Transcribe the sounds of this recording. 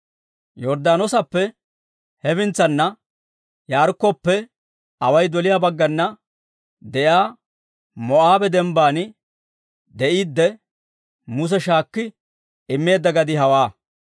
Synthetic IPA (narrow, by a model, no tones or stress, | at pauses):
jɔɾd̪aːnɔsɐpːɛ | hɛbɪnt͡sːɐnːɐ | jaːɾkːɔpːɛ | ɐwɐjd̪ɔlɪjaːbɐɡːɐnːɐ | d̪ɛjaː | mɔʔaːbɛd̪ɛmbaːnɪ | d̪ɛʔiːd̪ːɛ | mʊs̬ɛʃaːkːɪ | ɪmːe̞ːd̪ːɐɡɐd̪ɪhɐwaː